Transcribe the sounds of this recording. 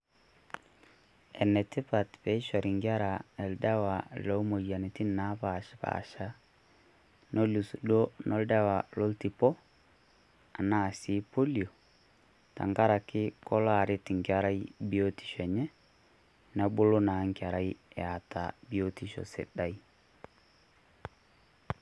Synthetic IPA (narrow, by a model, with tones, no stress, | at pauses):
ɛ˨nɛ˨tɪ˦pa˨tpɛ˨˦i˦ʃɔ˨ɾi˨ŋɡʲa˦ɾa˨ɛ˨lda˦wa˨lo˨˦mo˨ja˨ni˨ti˦na˦pa˨ʃpa̰ʃa˦ | no˦lu˨su˨do˦no˦lda˦wa˨lo˦lti˨pɔ˦ | a˨na˦˨si˨˦po˦li˨o˨ | ta̰˨ŋɡa˦ɾa˨kɪ˦kɔ˦la˨ɾɪ˦ti˨ŋka˦ɾa˦jbi˦o˦ti̥˨ʃɛ˨ɲɛ˦ | na˦bo˦lo˦naː˨ŋkʲa˨ɾa˦jɛ˨a˨ta˨bi˦o˦ti˦ʃɔ̰˨sɪ̰˨ɗa˦i˦